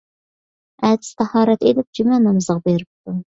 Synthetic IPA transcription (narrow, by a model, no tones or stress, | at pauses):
æd̪ɪ̥st̪ʰæhɑːɾɛt̪ed̪ɪp̚d͡ʒymɛnɑmɨzʁɑbeɾɪp̚t̪ʰu